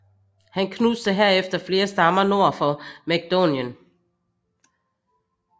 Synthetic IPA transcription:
hænkʰnusd̥əɦeɐ̰efd̥ɐfle̝ːɐsd̥ɑ̈mɐno̝ɐ̰fɒ̽mæɡ̥̚d̥onjən

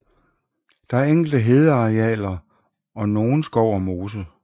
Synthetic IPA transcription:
d̥ɑ̈æɐeŋ̰ɡ̥l̩d̥əɦe̝ð̞ˠəɑ̈ʁeɛ̰ːlɐ | ɒ̽no̝ːn̩sɡ̥ɒʊ̰ɒmo̝ːsə

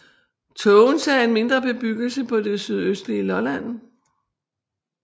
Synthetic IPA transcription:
t͡sʰɔʊnsɛe̝nme̝nd̥ʁɐb̥e̝b̥yɡ̥l̩səpʰɒ̽d̥e̝syð̞ˠøsd̥liəlɒ̽læn̰

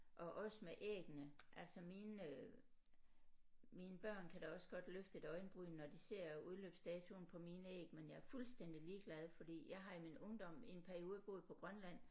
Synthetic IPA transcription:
ʔɒ̽ʔɒ̽səmeʔḛːɡ̥nəʔæl̰sɒmiːn | miːnəb̥ɶɐ̰nkʰæɾ̥ɑɒ̽səɡ̥ɒ̽d̥løfd̥e̝d̥ɒ̽ɪnb̥ʁyːnɒd̥ise̝ɐ̰uðˠlø̰ːb̥sd̥ɛːt͡sʰun̩pʰɒ̽miːnəḛːɡ̥menjɑ̈æɐfulsd̥en̰d̥iliːɡ̥læð̞ˠfɒ̽d̥ḭːjɑ̈ɪɦɑ̈iminɔ̽ŋd̥ɒ̽m̰e̝npʰæɐio̝ːðˠəb̥o̝ːð̩ˠpʰɒ̽ɡ̥ʁɶnlæn̰

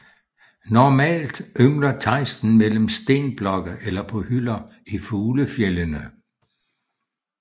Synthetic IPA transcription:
nɒmɛ̰ːld̥ʔømlɐt͡sʰɑ̈ɪsd̥n̩mel̰m̩sd̥e̝̰ːnb̥lɒ̽ɡ̥əelɐpʰɒ̽hyl̰ɐ | ifuːləfjelənə

